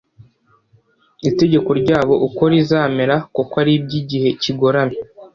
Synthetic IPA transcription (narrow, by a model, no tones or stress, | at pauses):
ite̞ɟe̞ko̞ɾɟaːβo̞ʔuko̞ɾizaːmeɾakokwaɾib̚ɟiɟihe̞ciɡo̞ɾame